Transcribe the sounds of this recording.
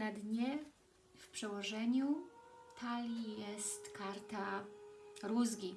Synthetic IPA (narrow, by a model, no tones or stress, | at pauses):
nad̪ɲɛ | fpʂɛwɔʐɛɲut̪ʰalʲijɛst̪kaɾt̪a | ɾuzɡʲi